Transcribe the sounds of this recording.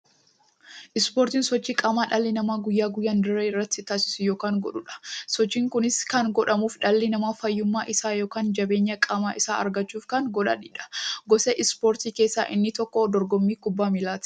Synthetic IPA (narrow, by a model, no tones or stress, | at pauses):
ʔɪspoːɾt̪iːnsɔt͡ʃːiːkʼɐmaːᶑɐlːɪnɐmaːɡʊjːaːɡʊjːaːnd̪ʊɾeːɪrːɐt̪ːɪt̪aːsɪ̥sʊjoːkaːŋɡɔ̰ᶑʊᶑɐ̥sɔt͡ʃːiːŋkʊnɪskɐnɡɔᶑɐmuːfᶑɐlːɪnɐmaːfɐjːʊmːaːʔɪsaːjo̞ːkaːnd͡ʒɐbe̞ːɲːɐkʼɐmaːʔɪsaːɐ̰ɾɡɐt͡ʃːuːfkɐnɡɔᶑa̰ːᶑiːᶑɐ̥ɡɔsɛʔɪspoːɾt̪iːke̞ːsːaːʔɪ̰nːɪt̪ɔkːɔd̪ɔɾɡɔmːiːkʊbːaːmɪlaːt̪ɪ̥